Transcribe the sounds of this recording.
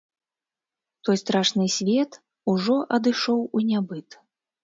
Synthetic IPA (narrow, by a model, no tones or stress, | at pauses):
t̪ɔjst̪ɾaʂnɨsʲvʲɛt̪ | uʐɔʔɐd̪ɨʂɔwunʲabɨt̪